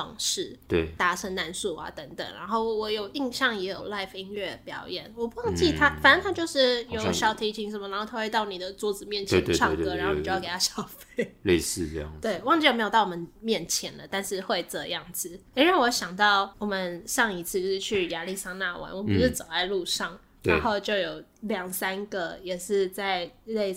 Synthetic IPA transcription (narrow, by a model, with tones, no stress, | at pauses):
o̰˧˩ŋʂɻ̩˥˩t̪we˥˩ɪt̪a˩ʂʰə˧˥ŋna˧˥nsu˥˩a̰˦t̪ə˧˥ŋt̪ə̰˨˩ŋɻa̰˧˥nxo˥˩ʊwɔ˧˥jo˨˩ʊi˥˧ŋɕjɑ˥˨˩ŋjɛ˧˥jo̰˨˩ʊla˥˧ɪfi˧˥nɥɛ˥˩pjɑ˨˧˦ʊjɛ˨˩nwɔ˨˩pu˧˥wɑ˥˧ŋt͡ɕi˥˩t̪ʰa˥fa˨nə˧˥nt̪ʰa˥t͡ɕjo˥˧ʊʂɻ̩˥˩jo˨˦ɕjɑ˨˩ʊt̪ʰi˧˥t͡ɕʰi˧˥ŋʂə˨˩mə˧ɻa˧˥nxo˥˩t̪ʰa˥we˧t̪ɑ˥˩ʊni˨˩d̪ə˦t͡swɔ˧˥t͡sɹ̩˨˩mjɛ˥˩nt͡ɕʰje˥˨˧ʈ͡ʂʰɑ˥˧kɤ˧˦ɻa˧nxo˥˩˨o˥˧jke˩t̪ʰa˥ɕjɑ˨˥ʊfe˥˩ɪle˥˧ɪsɹ̩˥˧jɑ̰˥˩t̪we˥˩ɪwɑ˥˧ŋt͡ɕi˥˩jme˧˥o˨˩t̪ʊ˩wɔ˨˩mə˦nmjɛ˥˩nt͡ɕʰjɛ˧˥nd̪ə˨t̪a˥˧nʂɻ̩˥˧xwe˥˧ɪt͡sə˥˩˧jɑ˥˩ŋt͡sɹ̩˨˩i˥ɻa˥˩wɔ˧˦˥ɕjɑ˨˩ŋt̪ɑ˥˩ʊwɔ˨˩mə˦nʂɑ˥˩ŋi˧˥t͡sʰɹ̩˥˧t͡ɕo˥˧ʂ̩˥˧t͡ɕʰy˥˩ja˧˥li˥˩sa˥ŋna˥˧wa̰˧˥nwɔ˨˩m˨pu˧ʂɻ̩˥˩t͡so˨˩ʊt͡sa˥˧ɪlu˥˧ʂɑ˥˩ŋ | ɻa˧˦˧nxo˥˧ʊt͡ɕjo˥˩ʊjo˨˩ʊljɑ˨˩ŋsa˥nɡə˨jɛ˨˩ʂɻ̩˥˧t͡sa˥˧˩ɪle˥˧ɪ